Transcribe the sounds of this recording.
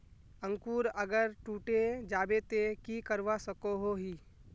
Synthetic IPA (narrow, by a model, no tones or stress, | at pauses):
ə̃ŋkuːɾəɡəɾʈuːʈed͡ʒaːbet̪ekikəɾʋasəkoɦoɦiː